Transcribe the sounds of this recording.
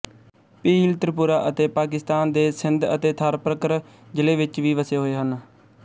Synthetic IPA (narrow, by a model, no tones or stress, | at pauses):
piːlt̪əɾpuːɾaːʔət̪eːpaːk̬ɪst̪aːnd̪eːsɪnd̪ə̰t̪eːt̪ʰəɾpɾəkɾ | d͡ʒɪleːʋɪt͡ʃʋiːʋəseːɦoːeːɦən